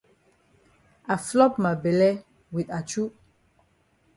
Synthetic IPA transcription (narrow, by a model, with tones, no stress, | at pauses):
a˨flɔ˦pma˨bɛ˨lɛ˦ | wi˨ta˨t͡ʃu˦